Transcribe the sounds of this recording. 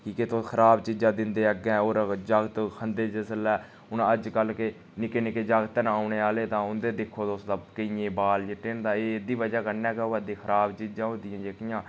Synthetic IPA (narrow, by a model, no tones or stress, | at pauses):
kiːket̪oːkʰəɾaːbt͡ʃiːd͡ʒãːd̪ɪnd̪eːəɡɛ̃ːoːɾd͡ʒaːɡt̪kʰənd̪eːd͡ʒəsəlɛː | ʊnːəd͡ʒkəlke | nɪkeːnɪkeːd͡ʒaːɡt̪ənaːʊneːaːleːt̪ãːʊnd̪eːd̪ɪkʰːoːt̪oːsd̪abkəiẽːbaːld͡ʒeʈeːnd̪ãːeːd̪iːʋəd͡ʒaːkənɛːkoʋad̪eːkʰəɾaːbt͡ʃiːd͡ʒãːɦõːnd̪ɪjãːd͡ʒeːkɪjãː